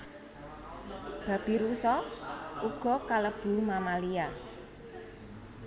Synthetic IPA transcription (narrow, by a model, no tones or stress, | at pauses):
b̥a̤b̥i̤ɾusɔuɡ̥ɔ̤kaləb̥ṳmamalia